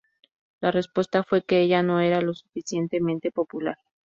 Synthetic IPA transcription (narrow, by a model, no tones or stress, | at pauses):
lare̞spwe̞st̪afwe̞ke̞eʝano̞e̞ɾalo̞su̥fisje̞nt̪e̞mẽnt̪e̞po̞pulaɾ